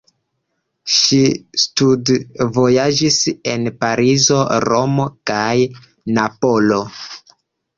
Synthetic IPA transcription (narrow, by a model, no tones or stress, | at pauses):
ʃistudvo̞jad͡ʒise̞npaɾizo̞ɾomo̞kaj | napo̞lo̞